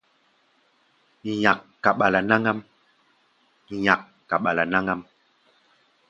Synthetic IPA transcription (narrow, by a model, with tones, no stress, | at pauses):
ɲa˨kːa˨ɓa˨la˨na˦ŋa˦m˨ | ɲa˨kːa˨ɓa˨la˨na˦ŋa˦m